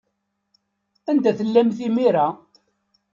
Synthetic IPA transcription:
ænd̪æθəlːæmθimiɾa

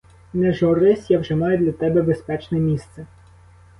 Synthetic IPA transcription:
nɛʒɔɾɪsʲjawʒɛmɑjʊd̪lʲɐt̪ɛbɛbespɛt͡ʃnɛmʲist̪sɛ

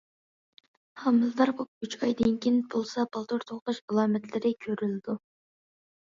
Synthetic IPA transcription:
hɑmɨld̪ɑɾkop̚yt͡ʃɑjd̪ɪnkʲʰinbolˠsɑbɑlˠt̪ʰoɾt̪ʰoχlˠɨʃɑlˠɑːmɛt̪lɪɾɪkʲʰøɾylɪd̪u

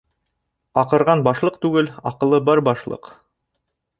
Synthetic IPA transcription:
ɑqɤ̆ɾʁɑnbɑʃlˠɤqt̪ʉɡɘlɑqɤ̆lˠɤbɑɾbɑʃlˠɤ̰q

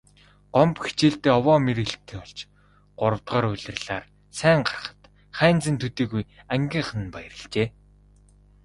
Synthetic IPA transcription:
ɢɔmpxi̥t͡ɕeːɬt̪eːɔwɔːmeɾɘ̆ɮt̪ʰeːŋɔɮt͡ɕ | ɢ̥ʊɾə̆wt̪ʁɔːɾʊɮʲɪ̆rɮa̰ːr | sæːɴɢḁr̆χə̥̆t̪ | χæːnt͡sɘ̆nt̪ʰut̪iːɣujæŋɡʲiːɴχə̆n̆npajə̆rɪ̆ɬt͡ɕeː

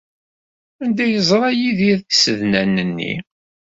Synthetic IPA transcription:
ænd̪æjəzˤɾˤɑjiðiðθsəðnænənːḭ

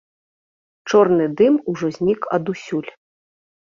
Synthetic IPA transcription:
t͡ʂɔrnɨd̪ɨmuʐɔzʲnʲikɐ̰d̪usʲulʲ

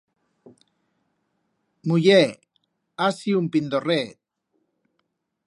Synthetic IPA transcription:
muje | asiumpind̪oret̪

